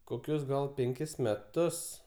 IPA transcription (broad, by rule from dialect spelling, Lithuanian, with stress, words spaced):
koːˈkʲʊs ɡɐlˠ pʲɛŋʲˈkʲɪs mʲɛˈtʊs